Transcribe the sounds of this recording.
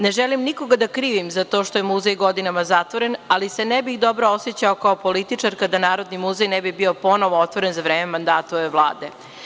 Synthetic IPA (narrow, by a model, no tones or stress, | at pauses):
neʒɛlimniko̞ɡad̪akɾiːʋimzat̪o̞ʃt̪o̞jemuzejɡo̞d̪inamazat̪ʋoɾe̞nalisenɛbixd̪o̞bɾoosjet͡ɕaokaopo̞lit̪it͡ʂaɾkad̪anaːɾo̞d̪nimuzejnɛbibio̞po̞noʋoot̪ʋo̞ɾenzaʋɾeːmemand̪aːt̪oʋeʋlˠa̰ːd̪e